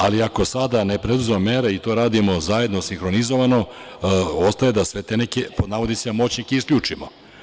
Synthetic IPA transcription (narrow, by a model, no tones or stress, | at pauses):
aliako̞sad̪ane̞pɾed̪uzemame̞ɾeit̪o̞ɾaːd̪imo̞zaje̞d̪nosiŋxɾo̞nizo̞ʋano̞ | o̞st̪ajed̪asʋe̞t̪e̞ne̞kepo̞d̪naʋo̞d̪isemo̞t͡ɕnikeiskʎʲuːt͡ʂimo